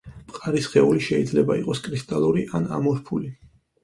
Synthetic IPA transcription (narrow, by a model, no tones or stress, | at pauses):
pʼqʼaɾisχɛuliʃɛid̪zlɛbaiqʼɔskʼɾist̪ʼalˠuɾiʔana̰mɔɾpʰuli